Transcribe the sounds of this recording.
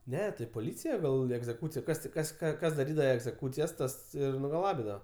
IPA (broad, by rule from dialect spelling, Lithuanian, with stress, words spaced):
ˈnʲɛ tɐɪ poːˈlʲiːt͡sʲɪjɛ ˈɡɐlˠ ɛɡzʲɛˈkuːt͡sʲɪjɛ ˈkɐs tʲɪ ˈkɐs ˈkɑː ˈkɐs dɐˈrʲiːdɐʋɐ ɛɡzʲɛˈkuːt͡sʲɪjɛs ˈtɐs ˈɪr nʊɡɐˈlˠɑːbʲɪdɐʋɐ